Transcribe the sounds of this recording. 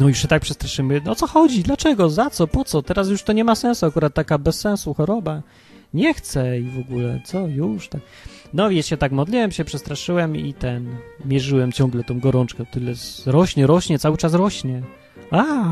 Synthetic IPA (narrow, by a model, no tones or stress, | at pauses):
nɔjuʂɕɛt̪ak̚pʂɛst̪ɾaʂɘmɘɔsɔxɔd͡ʑid̪lat͡ʂɛɡɔzat̪sɔpɔt̪sɔt̪ɛɾas̬juʂt̪ɔɲɛmasɛ̃ñsuakuɾat̪̚ːakabɛsːɛñsuxɔɾɔba | ɲɛxt̪sɛivɔɡulɛt̪sɔjuʂt̪ak̚ | nɔjɛɕɛt̪akmɔd̪lʲiwɛmɕɛpʂɛst̪ɾaʂɘwɛmit̪ɛnmʲjɛʐɘwɛmt͡ɕɔ̃ŋɡlɛt̪ɔ̃w̃ɡɔɾɔnt͡ʂkɛɔt̪ɘlɛzɾɔɕɲɛɾɔɕɲɛt̪sawɘt͡ʂasɾɔɕɲɛ | a